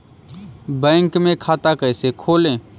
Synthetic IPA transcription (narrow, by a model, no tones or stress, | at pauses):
bɛ̃ːŋkmẽkʰaːt̪akəjsekʰoːlẽ